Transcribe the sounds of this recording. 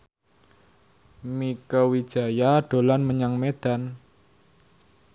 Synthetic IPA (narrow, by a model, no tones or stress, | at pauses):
mikəwi̥ʒ̥a̤jaɖ̥o̤lanməɲaŋmed̪̥an